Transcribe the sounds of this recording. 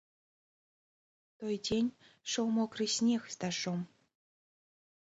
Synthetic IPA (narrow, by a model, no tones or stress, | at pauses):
t̪ojdʲenʲʃowmokrisʲnʲexst̪ɑʂom